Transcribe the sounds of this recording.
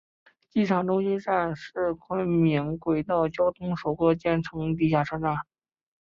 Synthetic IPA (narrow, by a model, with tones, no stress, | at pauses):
t͡ɕi˥˩ʈ͡ʂʰɑ˨˩ŋʈ͡ʂʊ˥ŋɕi˥nʂa˥˧nʂɻ̩˥˩kʰwa˥mi˧˥ŋkwe˨˩ɪt̪ɑ˥˩ʊt͡ɕjɑ˥ʊt̪ʰʊ˥ŋʂo˨˩ʊkɤ˥t͡ɕjɛ˥˩nʈ͡ʂʰɤ˧˥ŋt̪̬i˥˧˩ɕja˥˩ʈ͡ʂʰɤ˥˧ʈ͡ʂa˥˩n